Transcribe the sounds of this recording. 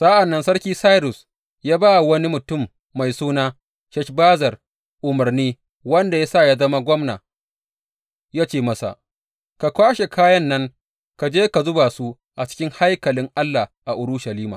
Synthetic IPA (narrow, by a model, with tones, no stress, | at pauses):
sa˦ʔa˨nːɐ˦nsɐ˦ɽkʲiː˦sa˦jɾʊ˨s | jaː˦baː˦˨wɐ˦ni˦mʊ˨tʊ˦˨mː | a˨jsuː˦naː˦ | ʃɛ˦ʃbaː˦zɐ˨r | ʔʊ˨mɐ˨rniː˦ | wɐ˦nda˨ja˦saː˦˨ja˦zɐ˦ma˦ɡʷɔ˦mna̰ː˨ | jaː˦t͡ʃeː˦˨mɐ˦sa̰˨ | ka˨kʷaː˦ʃe˨kʰaː˦jɐ˦nːɐ˦ŋ | ka˨d͡ʒeː˦ka˨zʊ˦ba˨su˦ | ʔa˨t͡ʃɪ̥˦kʲɪ˦ŋha˦jkɐ˨lɪ˦ŋʔa˦lːa˨ʔa˨ʔʊ˨ɾʊ˦ʃa˨liː˦ma̰˨